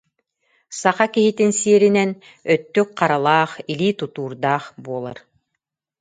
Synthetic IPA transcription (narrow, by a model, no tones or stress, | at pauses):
saχakiɦit̪insiɛɾinɛn | œt̪ːykqaɾalˠaːχiliːt̪ut̪uːɾd̪aːχbuɔlˠa̰ɾ